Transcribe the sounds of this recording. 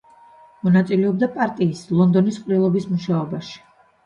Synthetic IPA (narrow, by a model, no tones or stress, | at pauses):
mɔnat̪sʼilɛɔb̚d̪apʼaɾt̪ʼiːslˠɔnd̪ɔnisqʼvɾilˠɔbismuʃaɔbaʃi̥